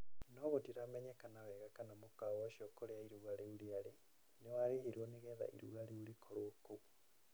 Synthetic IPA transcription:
nɔɣotiɾamɛɲɛkanawɛɣakanamokawɔʃiɔkoɾeaiɾuɣaleuliale | newaɾeheɾwɔneɣɛða̰ʔḭɾṵɣaleuɾikʰoɾwokoɣu

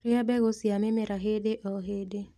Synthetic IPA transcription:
ɾɪabɛɣosjamɪmɪɾaɦedeʔɔɦede

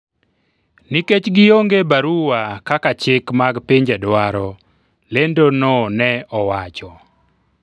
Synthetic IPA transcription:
niket͡ʃɡɪjoŋɡebaɾuwakakat͡ʃɪkmaɡpiɲd͡ʒadwaɾɔ | lendononɛɔwat͡ʃɔ

